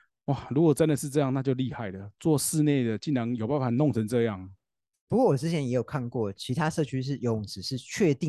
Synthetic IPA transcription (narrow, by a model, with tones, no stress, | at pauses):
wa˥˨ɻu˧˥kwɔ˨˩t͡sə˥˧nd̪ə˨ʂɻ̩˥˧ʈ͡ʂɤ˥˧jɑ˥˧ŋna˥˧t͡ɕjo˥˧ʊli˥˧xa˥˩ɪlə˩t͡swɔ˥˧ʂɻ̩˥˧ne˥˩d̪ə˩t͡ɕi˥˩nɻɑ˧˥˦ŋjo˨˩ʊpa˥˩nfa˨˩nɔ˥˨ŋt͡sʰə˧˦ŋt͡sɤ˥˧jɑ˥˨˩ŋ | pu˧˥kwɔ˥˩wɔ˨˩ʈ͡ʂɻ̩˥t͡ɕʰjɛ˧˥njɛ˧˥jo˨˩ʊkʰa˥˧nkwɔ˥˩t͡ɕʰi˧˥t̪ʰa˥ʂɤ˥˧˩t͡ɕʰy˥ʂ̬ɻ̩˥˩jo˨˥ŋt͡sɻ̩˨˩ʂɻ̩˥˧t͡ɕʰɥɛ˥˧t̪i˥˨